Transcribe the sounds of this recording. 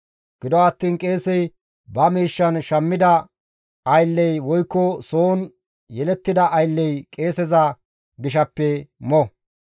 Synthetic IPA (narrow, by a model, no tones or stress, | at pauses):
ɡ̥ɪd̪ɔɐt̪ːiːnkʼe̞ːsɛj | bɐmiːʃːɐnʃɐmːɪd̪ɐ | ɐjlːɛjwɔjkːɔsoːn | jɛlɛt̪ːɪd̪ɐʔːjlːɛjkʼe̞ːsɛzɐ | ɡɪʃɐpːɛmɔ